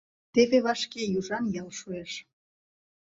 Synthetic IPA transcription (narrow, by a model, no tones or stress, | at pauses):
t̪eβeβɑʃkejuʒɑnjɑlʃueʃ